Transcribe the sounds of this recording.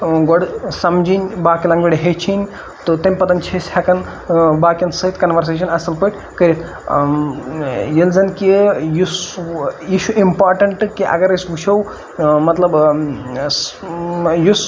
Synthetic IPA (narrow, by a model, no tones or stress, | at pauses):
ɡoɽsɐmd͡ʒinʲbaːkilɐŋɡʋʲiɽiɦet͡ʃʰinʲ | t̪ot̪ɐmʲpɐt̪ɐnʲt͡ʃʰesɐkɐn | baːkʲɐnsɐɦit̪kɐnʋɐɾs̬eːʃ̬ɐnɐsɐlpəʈʲ | kɐɾʲit̪ʰ | jilzɐnkijusjiʃʰuʔimpaːɾʈɐɳʈkiʔɐ̰ɡɐɾisbut͡ʃʰow | mɐt̪lɐb | jus